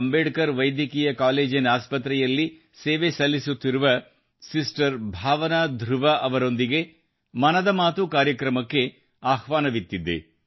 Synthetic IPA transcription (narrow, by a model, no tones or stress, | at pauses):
ɐmbeːɖkɐɾʋɐjd̪jɐkiːjɐkaːleːd͡ʒinaːspɐt̪ɾɛjɐlːi | seːʋesɐlːisut̪ːiɾuʋɐ | sisʈɐɾbʱaːʋɐnad̪ʱɾuʋɐʔɐʋɐɾo̞nd̪iɡe̞ | mɐnɐd̪ɐmaːt̪ukaːɾjɐkɾɐmɐkːe̞ | aːhʋaːnɐʋit̪ːid̪ḛ